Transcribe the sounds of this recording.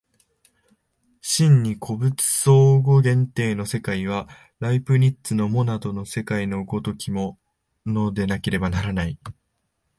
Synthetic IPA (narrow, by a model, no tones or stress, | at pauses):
ɕĩɲ̟ːikʰo̞bɯ̟t͡sɨ̥so̞ːɡo̞ɡẽ̞nt̪e̞ːno̞se̞kaiβ̞a | ɾaipɯ̟ɾʲitt͡sɨno̞mo̞nad̪o̞no̞se̞kaino̞ɡo̞t̪o̞kʲimo̞ | no̞d̪e̞nake̞ɾe̞banaɾanai